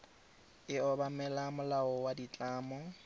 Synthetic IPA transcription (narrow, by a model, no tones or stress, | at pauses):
ɪɔbamɛlamʊlaɔwadit͡ɬʼaːmɔ